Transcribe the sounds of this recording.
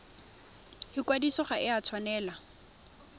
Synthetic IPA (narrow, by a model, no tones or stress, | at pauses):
hɪkwadisɔχaʔɪat͡sʰwanɛːla